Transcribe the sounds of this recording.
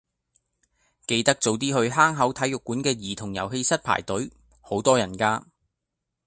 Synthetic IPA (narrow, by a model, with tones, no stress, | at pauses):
ke˨˧jt̪ɐ˥k̚t͡so˨˧wt̪̬iː˥hɵ˧ɥɦaː˥ŋɦɐ˨˥wt̪ʰɐ˨˥jʊ˨kːuː˨˥nkɛː˧jiː˨˩t̪ʰʊ˨˩ŋjɐ̰˨˩wɦe˧jsɐ˥t̚pʰa̰ː˨˩jt̪ɵ˨˥ɥ | ho˨˥wt̪ɔː˥jɐ˨˩nkaː˧